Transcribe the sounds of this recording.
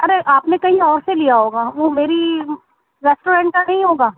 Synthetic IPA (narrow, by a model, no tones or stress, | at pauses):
ɐɾeʔaːpnekɐɦĩɔːɾselijaɦoːɡaːʋomeːɾi | ɾɛːsʈoːɾɛ̃ːɳʈ̚ʈanɐɦĩɦoːɡaː